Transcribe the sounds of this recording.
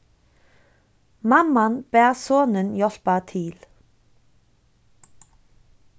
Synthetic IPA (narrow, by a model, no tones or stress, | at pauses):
mamːanbɛːɾsɔːnɪnjɔl̥pat̪ʰɪl